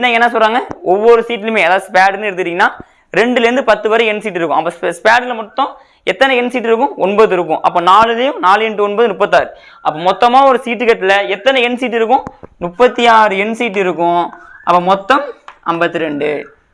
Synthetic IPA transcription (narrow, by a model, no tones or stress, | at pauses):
nãːŋɡɛnːɐsɔlraːŋɡɐɔʋːɔɾɯsiːʈːɪlmeːɛðaːðɯspaːɽnːɯɪɾɯnd̪ɯʈːiːŋɡɐnːaː | ɾɛɳɖɯlɾɯnd̪ɯpɐt̪ːɯʋɐɾɐ̃ɛnːsiːʈ̬ːɪɾɯkːʊ̃ɐpːɐsspaːɖɪlɐmɔʈ̪ːɔ̃ | ɛt̪ːɐnɛɛnːsiːʈːɪɾɯkːʊ̃ɔnbɐðɯɪɾɯkːʊ̰̃ʔɐpːõnaːlɯðɐjʊ̃naːlɯɛɳʈːɯɔnbɐːðɯnʊpːɐt̪̬ːaːɾɯ | ɐpːoːmɔt̪ːɐmaːɔɾɯsiːʈːɯkɐʈːɪlɐɛt̪ːɐnɛɛnsiːʈ̬ːɪɾɯkːʊ̃nʊpːɐt̪ːijaːɾɯɛnːsiːʈ̬ːɪɾɯkːʊ̃ɐpːoːmɔt̪ːɐmɐmbɐt̪ːɯɾɛɳɖɯ